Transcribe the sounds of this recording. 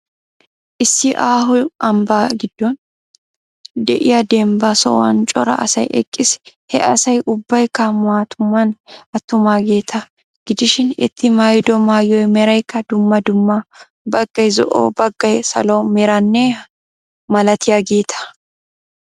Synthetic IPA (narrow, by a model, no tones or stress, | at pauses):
ʔɪsːɪʔaːɦʊɐmbaːɡɪd̪̥ːɔn | d̪ɛʔɪjɐd̪eːmbɐsɔ̰wɐ̰nt͡ʃʼɔɾɐ̰ʔɐ̰sɐ̰jʔɛ̰kʼːɪshɛ̰ʔɐsɐjʔʊbːɐjkːɐmʊwaːt̪ʰʊmːɐnʔɐt̪ːʊmaːɡe̞ːt̪ʰɐ | ɡ̥ɪd̪ɪʃɪnɪ̰t̪ʰːɪmaːjd̪ɔmaːjɔjmɛɾɐjkːɐd̪ʊmːɐd̪ʊmːɐ | bɐɡːɐjzɔ̰ʔo̰ːbɐɡːɐjsɐloːmɛɾɐnːeː | mɐlɐt̪ʰɪjɐɡeːt̪ʰɐ̥